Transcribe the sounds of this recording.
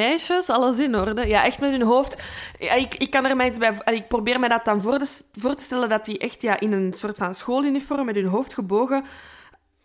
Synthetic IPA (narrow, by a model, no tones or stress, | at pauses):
ɛjʃəsɑlˠəs̬ɪnɔrdəjaːʔɛxtmɛtɦɵnɦoːftɪkɪkːɑnərmaritzbɛːɑliɪk̚probeːrmɛdɑt̚ɑnvorvoːrtə̥stɛlədɑtiʔɛxtjaːʔɪnənsoːrtfɑnsxoːlynifɔrmːɛtɦɵnɦoːftxəboːɣə